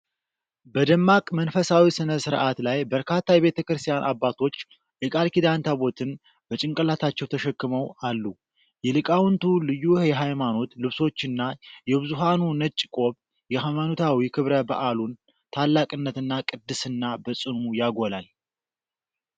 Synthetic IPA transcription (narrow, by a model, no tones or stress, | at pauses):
bəd̪əmːakʼmənfəsawisɨnəsɨɾʔat̪lajbəɾkʰat̪ːajɛβe̞t̪ʰəkɾɨst̪ʰijanʔabːat̪ʰo̞t͡ʃː | jɛkʼalkid̪ant̪ʰabo̞t̪ʰɨn | bət͡ʃʼɪŋkʼəlat̪ʰat͡ʃːɛwt̪ʰəʃɛkːɨməwalːu | jɛlɨkʼawʊnt̪ʰulɨjːujɛɦajmano̞t̪lɨβso̞t͡ʃːɨnːajɛbɨzuɦanunət͡ʃʼːkʼo̞β | jɛhajmanot̪ʰawikʰɨβɾəba̰ʔalun | t̪ʰalːakʼɨnːət̪ɨnːakʼɨd̪ːɨsɨnːabəsʼɨnujaɡolal